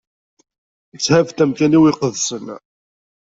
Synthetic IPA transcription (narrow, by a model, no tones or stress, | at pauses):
t͡sːhævt̪æmkæniwiqəðsən